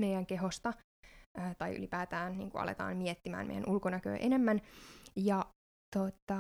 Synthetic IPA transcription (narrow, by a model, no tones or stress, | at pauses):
mejjæŋke̞ɦost̪ɑ | əːt̪ɑjy̰lipæːt̪æːnnḭːŋkuɑ̰lḛt̪ɑ̰ːnmiet̪ːimæ̰ːnmḛjæ̰nʔulkonækø̰ːʔenemːænjɑ | t̪ot̪ɑ